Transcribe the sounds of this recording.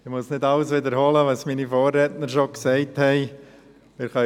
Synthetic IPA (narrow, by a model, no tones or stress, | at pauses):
ɪmʊsnɪdɑlsʋɪd̪əɾhɔləʋɑsminifoːrːɛtnəɾʃoksɛɪthɛɪ | mɪɾχœ